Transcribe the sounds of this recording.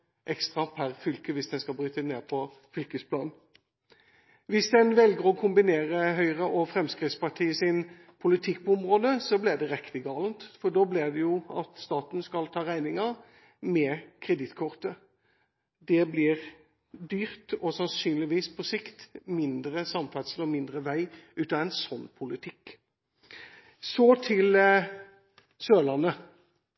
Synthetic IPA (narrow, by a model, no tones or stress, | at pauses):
ʔɛkst̪ʁɑpʰæʁfʏlkəʋɪsd̪ɛnskɑlbʁyːt̪əneːʁpʰɔ | fʏlkəspʰlɑːn̩ | ʋɪsd̪ɛnʋɛlɡəʁɔkʰʊmbɪneːʁəɦœʏʁəʔɔfɾʁɛmskʁɪtspɑʈʰiːəsɪn | pʰʊlɪt̪ʰɪk̚ːpʰɔʊmʁoːd̪əsɔblɪʁd̪ɛʁɛkt̪ɪɡɑːlənt̪fɔɖ̪oːblɪʁd̪ɛjʊɑt̪st̪ɑːt̪n̩skɑlt̪ʰɑːʁæɪnɪŋɑ | mɛkʰʁɛd̪ɪt̪ːkʰɔʁt̪ə | d̪ɛblɪʁ | d̪yːʁt̪ɔsɑnsyːnlɪʋiːspʰɔsɪkt̪mɪnd̪ɾəsɑmfæt̪səlɔmɪnd̪ʁəʋæɪʉːt̪ɑɛnsɔnːpʰʊlɪt̪ʰɪk | sɔt̪ʰɪl | søːlɑnːə